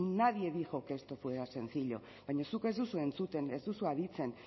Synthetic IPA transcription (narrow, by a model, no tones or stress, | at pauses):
naðieβiʝo̞ke̞st̪o̞fweɾase̞nθiʎo̞̰ | βajɲosuke̞zðusue̞nt͡sut̪e̞nezðusuaðit͡se̞n